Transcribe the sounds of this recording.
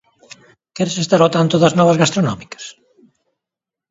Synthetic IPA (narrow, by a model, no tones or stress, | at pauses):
kɛɾesest̪aɾot̪ant̪oðɐznɔβɐzɣast̪ɾonɔmikɐ̥s